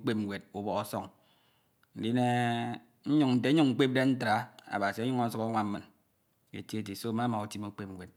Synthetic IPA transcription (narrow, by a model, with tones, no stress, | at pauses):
k͡pe˦p̚ŋ͡mɡʷe˨d̚u˨bɔ˨ɣo˦sɔ˦ŋ | n̩˨di˦ne˦ | n̩˦ɲu˦ŋn̩˨te˦ɲu˦ŋŋ͡m̩˦k͡pe˦p̚de˦n̩˦tɾa˦a̰˨ba˨si˨a˦ɲu˦ŋo˦su˦ka˦ŋʷa˦m̩˦ɨ˨n | ḛ˨ti˦ti˨so˦ma˦ma˨u˨ti˦mu˦k͡pe˦p̩̚˨we˨t̚